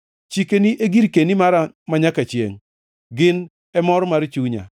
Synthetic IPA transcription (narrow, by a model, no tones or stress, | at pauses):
t͡ʃikeniʔeɡiɾkenimaɾamaɲakat͡ʃjḛŋ | ɡɪn | ɛmɔɾmaɾt͡ʃuɲa̰